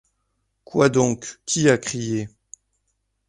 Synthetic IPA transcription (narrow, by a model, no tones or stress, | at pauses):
kwad̪ɔ̃kːʲiakχije